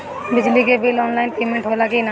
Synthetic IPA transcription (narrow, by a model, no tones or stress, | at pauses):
bɪd͡ʒliɡebelɔːnlaɪnpeːmɛ̃ɳʈɦolaɡena